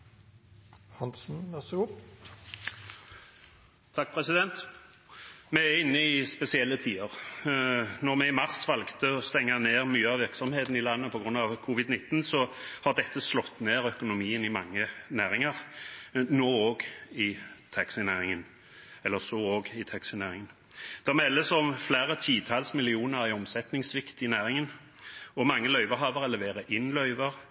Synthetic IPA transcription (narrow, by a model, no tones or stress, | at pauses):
hɑnsn̩ʋɛsɡu | t̪ʰɑk̚ːpʰʁɛsɪd̪ɛnt̪ | mɛæɪnːəɪspɛsɪɛlːət̪ʰiːəʁ | nɔʁmɛɪmɑʁsʋɑlɡt̪əɔst̪ɛŋːɑneːʁmyːəɑʋɪʁksɔmheːt̪n̩ɪlɑnːəpʰɔɡʁʉnːɑʋkʰuʋɪd̪nɪt̪ːnsɔhɑʁd̪ɛt̪ʰːəslɔt̪ːneːʁœkʊnʊmiːənɪmɑŋːənæːʁɪŋɑʁ | noːoːɡɪt̪ʰɑksɪnæːʁɪŋən | ɛlːəʁsɔoːɡɪt̪ʰɑksɪnæːʁɪŋən | d̪̥ɑmɛlːəsɔmflæːʁət̪ʰiːt̪ʰɑlsmɪlɪuːnəʁɪɔmsɛt̪nɪŋsʋɪkt̪ɪnæːʁɪŋən | ɔmɑŋːəlœʏʋəɾɦɑːʋəʁɛlɛʋeːʁəʔɪnːlœʏʋəʁ